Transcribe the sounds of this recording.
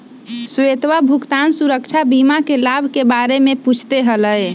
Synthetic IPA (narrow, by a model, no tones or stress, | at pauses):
set̪ʋabʱukt̪ansuɾəkt͡ʃʰabimakelabʱkebaɾemeput͡ʃʰt̪eɦələj